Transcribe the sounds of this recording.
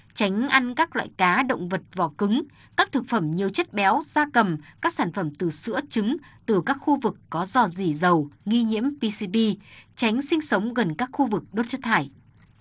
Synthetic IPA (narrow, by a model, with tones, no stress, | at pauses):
t͡ɕa˨˦jŋ̟ʔa˧nkaː˦˥k̚lwa̰ː˧˨jkaː˨˦ɗə̰˧˨wŋ͡mvə˨˩t̚vɔ̰˧˩kɨ˨˦ŋ | kaː˦˥k̚t̪ʰɨ˨˩k̚fə˧˩mɲi˨˩əwt͡ɕə˦˥t̚ɓɛ˨˦wzaː˧kə˨˩mkaː˦˥k̚saː˧˩nfə˧˩mt̪ɨ˨˩sɨ̰˧˥ət͡ɕɨ˨˦ŋt̪ɨ˨˩kaː˦˥k̚xu˧vɨ˨˩kːɔ˨˦zɔ˧˩zi˧˩zə˨˩wŋi˧ɲḭ˧˥əmpi˧si˧ɓi˧t͡ɕa˨˦jŋ̟sï˧ŋ̟sə˨˦wŋ͡mɣə˨˩nkaː˦˥k̚xu˧vɨ˨˩k̚ɗo˦˥t̚t͡ɕɨ˦˥t̪ʰaː˧˩j